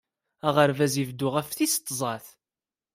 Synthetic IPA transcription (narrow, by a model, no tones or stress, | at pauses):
æʁəɾvæzivd̪ʊʁæfθist̪ˤːzˤɑθ